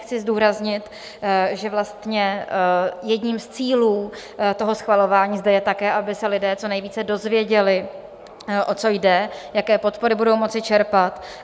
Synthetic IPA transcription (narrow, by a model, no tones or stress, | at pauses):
xt͡sɪzduːɾazɲɪt̪ | ʒɛvlast̪ɲɛ | jɛdɲiːmst͡siːluː | t̪o̞ɦo̞sxvalo̞vaːɲiːzdɛjɛt̪akɛːʔabɪsɛlɪdɛːt͡so̞nɛjviːt͡sɛdo̞zvjɛɟɛlɪ | ʔo̞t͡so̞jdɛjakɛːpo̞t̪po̞ɾɪbudo̞wmo̞t͡sɪt͡ʃɛɾpat̪